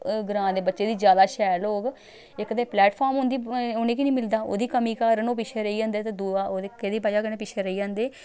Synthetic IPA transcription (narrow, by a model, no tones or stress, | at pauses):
ɡɾãːd̪eːbətːʃeːd̪iːd͡ʒjaːd̪aːʃɛːloːɡ | ɪkd̪eːplɛːʈpʰaːɾmɦʊ̃nd̪iːʊnẽːkinĩːmɪld̪aːo̰ːd̪iːkəmiːkaːɾnoːp̬ɪt͡ʃʰeːɾəiːd͡ʒãːnd̪eːt̪eːd̪uaoːd̪ːked̪iːpaːd͡ʒaːkənẽːpɪt͡ʃʰeːɾəiːd͡ʒãːnd̪eː